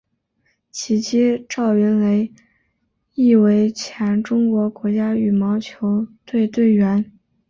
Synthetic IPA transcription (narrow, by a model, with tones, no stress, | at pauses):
t͡ɕʰi˧˥t͡ɕi˥ʈ͡ʂɑ˥˩ʊɥɛ˧˥nle˧˥ɪ | i˥˩we˧˥ɪt͡ɕʰjɛ˧˥nʈ͡ʂʊ˥ŋkwɔ˧˥kwɔ˧˥t͡ɕja˥y˨˩mɑ˧˥ʊt͡ɕʰjo˧˥ʊt̪we˥˧ɪt̪we˥˩ɪɥɛ˧˥n